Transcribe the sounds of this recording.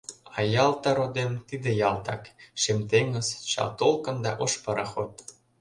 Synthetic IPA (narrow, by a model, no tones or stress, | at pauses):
ɑjɑlt̪ɑɾod̪emt̪id̪ĕjɑlt̪ɑkʃemt̪eŋə̆zt͡ɕɑ̰lt̪olkɤ̆nd̪ɑʔoʃpɤɾɑxot̪̚